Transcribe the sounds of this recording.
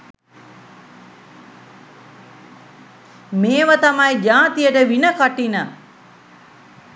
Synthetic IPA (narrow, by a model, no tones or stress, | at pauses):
meːʋət̪amajd͡ʒaːt̪ijəʈəʋinəkaʈinə